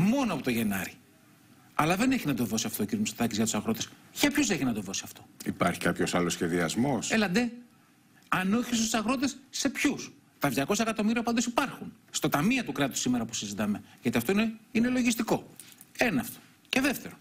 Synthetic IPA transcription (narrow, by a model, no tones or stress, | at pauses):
mo̞noɐpo̞t̪oʝe̞nɐɾi | ɐlɐðene̞çinɐt̪o̞ðo̞siɐft̪ociɾimusot̪ɐcizʝɐt̪u̥sɐɣɾo̞t̪e̞s | çɐpçoseçinɐt̪o̞ðo̞siɐft̪o̞̥ipɐɾçikɐpço̞sɐlosçe̞ðiɐzmo̞selɐd̪e | ɐnoçistsu̥sɐɣɾo̞t̪e̞sːe̞pçus | t̪ɐðʝɐko̞sɐekɐt̪o̞miɾiɐpɐnd̪osipɐɾxunst̪o̞t̪ɐmiɐt̪ukɾɐt̪u̥sime̞ɾɐpu̥sizit̪ɐme̞ʝɐt̪iɐft̪oineine̞lo̞ʝist̪iko̞ | e̞nɐːft̪o̥ | ce̞ðeft̪e̞ɾo